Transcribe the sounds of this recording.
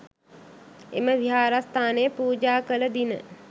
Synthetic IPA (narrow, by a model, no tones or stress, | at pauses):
ḛməʋiɦaːɾast̪aːnejəpuːd͡ʒaːkələd̪inə̰